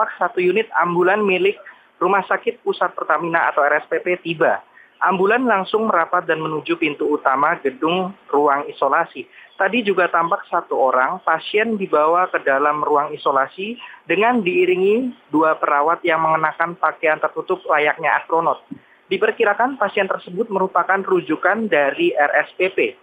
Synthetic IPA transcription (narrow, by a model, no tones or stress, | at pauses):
ak̚sat̪ujunɪt̪̚ambulanmilɪk̚ | rumahsakɪt̪̚pusat̪̚pərt̪aminaa̰t̪awɛɾɛspepet̪iba | ʔambulanlaŋsʊŋməɾapat̪̚danmənud͡ʒupint̪uːt̪amaɡədʊŋruaŋisolasit̪adid͡ʒuɡat̪ampak̚sat̪uoɾaŋpasiɛndibawakədalamruaŋisolasidəŋandiːɾiŋiduapəɾawat̪̚jaŋməŋənakanpakeant̪ərt̪ut̪ʊp̚lajak̚ɲaʔast̪ɾonot̪̚ | dipərkiɾakanpasiɛnt̪ərsəbʊt̪̚məɾupakanrud͡ʒukandaɾiʔɛrɛspepe